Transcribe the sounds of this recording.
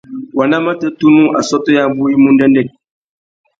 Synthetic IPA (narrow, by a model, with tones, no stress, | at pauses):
wa˨nda˦ma˦tə˦tu˦nu˦ʔa̰˨sɔ˦to˦ja˦bu˦i˦mu˦n˦dɛ˦ndɛ˦˨t̚